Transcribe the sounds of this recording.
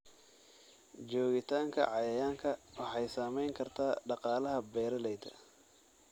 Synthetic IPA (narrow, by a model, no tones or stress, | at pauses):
d͡ʒɔːɣɪt̪ʰaːŋkʰɐ̰ʕɑjɐjaːŋkʰɐwɑħɑjsaːmɛjŋkʰɐrt̪ʰaːɖɑqɑːlɐɦɐbɛːɾɐlɛjt̪ʰɐ̰